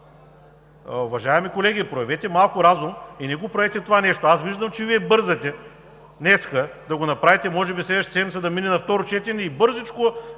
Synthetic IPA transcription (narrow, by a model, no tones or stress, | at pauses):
ʊvɐʒaɛmikolɛɡʲipɾoɐvɛt̪ɛmalˠkʊɾazuminɛɡopɾɐvɛt̪ɛt̪ovanɛʃt̪oasviʒd̪əmt͡ʃɛviɛbɤɾzɐt̪ɛ | nɛskəd̪ɐɡonɐpɾavit̪ɛmɔʒɛbislɛd̪viʃt̪sɛd̪misɛd̪ɐminɛnɐft̪ɔɾot͡ʃɛt̪ɛnʲɛibɤɾzit͡ʃkʊ